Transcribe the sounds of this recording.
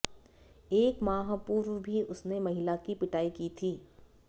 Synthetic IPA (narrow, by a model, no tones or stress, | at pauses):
eːkmaːɦapuːɾwbʱiʊsnemɐɦɪlakipɪʈaːikiːt̪ʰiː